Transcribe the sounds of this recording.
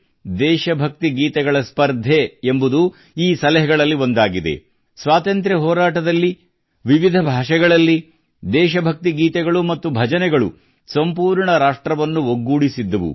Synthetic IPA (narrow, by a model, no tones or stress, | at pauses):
d̪ɛːʃɐbʱɐk̚t̪iɡiːt̪ɛɡɐɭɐspɐɾd̪ʱeembud̪u | iːsɐlɛɦɛɡɐɭɐlːio̞nd̪aːɡid̪e̞̰ | sʋaːt̪ɐnt̪ɾɐɦɔːɾaːʈɐd̪ɐlːi | ʋiʋid̪ʱɐbʱaːʂɛɡɐɭɐlːi | d̪ɛːʃ̬ɐbʱɐk̚t̪iɡiːt̪ɛɡɐɭumɐt̪ːubʱɐd͡ʒɐnɛɡɐɭṵ | sɐmpuːɾɳɐɾaːʂʈɾɐʋɐnːuoɡːuːɽisid̪ːɐʋṵ